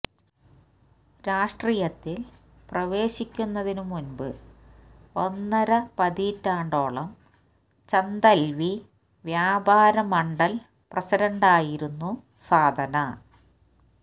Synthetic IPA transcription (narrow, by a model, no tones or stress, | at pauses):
ɾaːʂʈrijɐt̪ːil | prɐʋe̞ːɕikʲːunːɐðinumunbɨ | onːɐɾɐpɐðitːaːɳɖo̞ːɭɐm | t͡ɕɐnd̪ɐlʋi | ʋjaːbaːɾɐmɐɳɖɐl | prɐsiɾɐɳɖaːjiɾunːu | saːd̪ʱɐnɐ